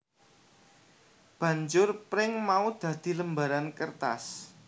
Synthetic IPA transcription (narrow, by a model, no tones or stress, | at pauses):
b̥ä̤ɲd͡ʒʊrpɾɪŋmaud̪̥ä̤d̪̥i̤ləmbaɾankərt̪a̰s